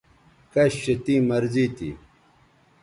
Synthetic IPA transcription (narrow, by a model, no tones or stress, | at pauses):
kɐɕɕet̪iːmɐɾziːt̪ḭ